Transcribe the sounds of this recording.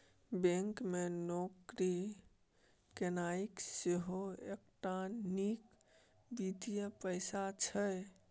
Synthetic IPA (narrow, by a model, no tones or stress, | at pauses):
bẽŋkmenokɾi | kenaikseɦoek̚ʈanik | bid̪ijəpəjsat͡ʃʰəj